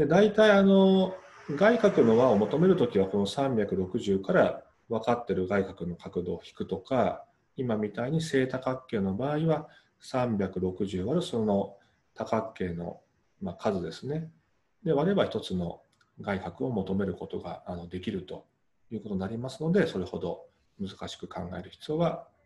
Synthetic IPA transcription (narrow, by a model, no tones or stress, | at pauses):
d̪̥e̞d̪ait̪aiano̞ | ɡaikakɯ̟no̞ɡaomo̞t̪o̞me̞ɾɯ̟t̪o̞kʲiβ̞ako̞no̞sãmbʲakɯ̟ɾo̞kɯ̟ʑɨːkaɾa | βakat̪ːe̞ɾɯ̟ɡaikakɯ̟no̞kakɯ̟d̪o̞ːçi̥kɯ̟̥t̪o̞ka | imamʲit̪aiɲ̟ise̞ːt̪akakːe̞ːno̞baːiβa | sãmbʲakɯ̟ɾo̞kɯ̟ʑɨːβaɾɯ̟so̞no̞ | t̪akakːe̞ːno̞̰ | makʰazɨd̪e̞sɨne̞ | d̪e̞βaɾeβaçi̥t̪o̞t͡sɨno̞̰ | ɡaikakɯ̟o̞mo̞t̪o̞me̞ɾɯ̟ko̞t̪o̞ɡa̰ːno̞d̪e̞kʲiɾɯ̟t̪o̞ | jɯ̟ːkot̪o̞nːaɾʲimasɨno̞d̪e̞so̞ɾe̞ho̞d̪o̞ | mɯzɨkaɕi̥kɯ̟kʰã̰ŋɡae̞ɾɯ̟çi̥t͡sɨjo̞βa